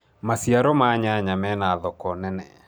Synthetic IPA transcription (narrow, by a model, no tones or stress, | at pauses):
masiaɾɔmaɲaɲamɛnaðɔkɔnɛnɛ